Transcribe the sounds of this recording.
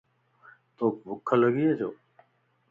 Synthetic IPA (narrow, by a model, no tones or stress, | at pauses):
t̪oːkʋʊkʰːələɡiːed͡ʒoː